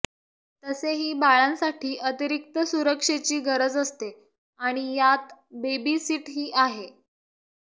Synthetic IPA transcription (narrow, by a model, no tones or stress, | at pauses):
t̪əseɦiːbaɭãnsaʈʰiːʔət̪iɾik̚t̪əsuɾəkʂet͡ɕiːɡʱəɾəd͡zəst̪e | aɽ̃ijat̪bebisiːʈɦiːʔaɦe